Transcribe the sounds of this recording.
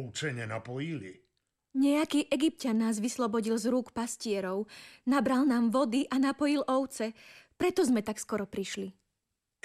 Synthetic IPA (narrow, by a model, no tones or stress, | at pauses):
t͡ʃɛɲɛnapɔjilḭ | ɲɛakiːʔɛɡip̚canːaːzʋislɔbɔɟilzɾuːkpascɪɛɾɔʊnabɾalnaːmʋɔd̪iʔanapɔjilɔʊt͡sɛpɾɛt̪ɔzmɛt̪akskɔɾɔpɾiʃli